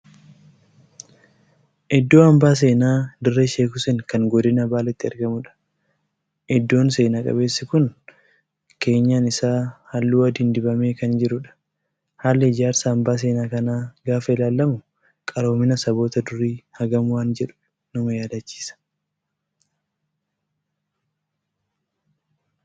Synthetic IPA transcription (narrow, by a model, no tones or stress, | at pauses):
ʔɛd̪ːo̞ːɐmbaːs̬e̞ːnaːd̪ɪrːeʃe̞ːkʊsɛŋkɐŋɡɔd̪ɪnɐbaːlɛt̪ːɪɐɾɡɐmʊᶑɐ̥ | ɛd̪ːo̞ːnse̞ːnaːkʼɐ̰be̞ːsːɪkʊn | ke̞ːɲːaːnɪsaːhɐlːuːɐd̪iːnd̪ɪbɐme̞ːkɐnd͡ʒɪɾʊᶑɐ̥ | haːlːɛɪd͡ʒaːɾsaːmbaːs̬e̞ːnaːkɐnaːɡaːfɐɪlaːlːɐmʊ | kʼɐɾo̞ːmɪnɐsɐbo̞ːt̪ɐd̪ʊɾːiːhɐɡɐmʊwaːnd͡ʒɛᶑʊ̥ | nɐmɐjaːd̪ɐt͡ʃːi̥ːsɐ̥